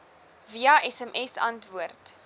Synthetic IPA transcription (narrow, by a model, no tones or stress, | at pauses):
viɐʔɛsɛmʔɛsɐ̰ntvuərt